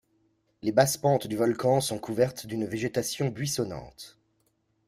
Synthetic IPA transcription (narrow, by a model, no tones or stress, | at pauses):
lebaspɑ̃t̪d̪yvɔlkɑ̃sɔ̃kuvɛʁt̪d̪ynveʒet̪asjɔ̃bɥisɔnɑ̰̃t̪